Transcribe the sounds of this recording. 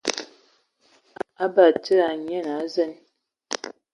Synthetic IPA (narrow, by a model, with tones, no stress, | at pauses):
a˦ba˨tə˦a˨ɲɛ˦˨na˨˦zɛ˦˨n